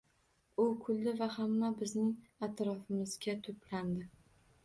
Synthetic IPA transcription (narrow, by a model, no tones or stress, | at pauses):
ʊkʰʊld̪ɪvahamːabɪznɪŋat̪ɾɒfɪmɪzɡʲat̪ʰʊt̪land̪ɪ